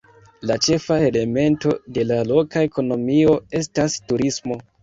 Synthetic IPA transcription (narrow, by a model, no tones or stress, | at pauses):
lat͡ʃe̞faele̞me̞nto̞de̞lalo̞kae̞ko̞no̞mio̞e̞stastuɾismo̞